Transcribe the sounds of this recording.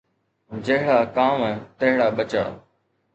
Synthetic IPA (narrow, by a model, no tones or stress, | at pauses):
d͡ʑɐɦɪɽakaːmt̪ɐɦɪɽaɓɐt͡ɕəɽ̰